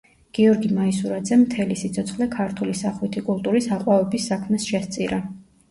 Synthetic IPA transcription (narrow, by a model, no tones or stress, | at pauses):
ɡ̥iɔɾɡimaisuɾad̪zɛmt̪ʰɛlisit̪sʰɔt̪sʰχlɛkʰaɾt̪ʰulisaχwit̪ʰikʼulˠt̪ʼuɾisaqʼwavɛbisːakʰmɛsʃɛst̪sʼiɾa